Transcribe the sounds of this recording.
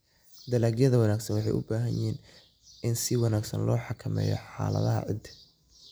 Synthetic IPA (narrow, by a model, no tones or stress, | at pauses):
d̪ɐlaːɡjɐðɐwɑnaːɡsɐnwɑħɑjʔʊbaːɦɐnjʔɪhiːn | ɪnsɪwɑnaːɡsɐ̰nlɔːħɑkʰɐmɛ̰ːjɔ̰ħɑ̰ːlɐ̰ðɐɦɐ̰ʕɪ̰d̪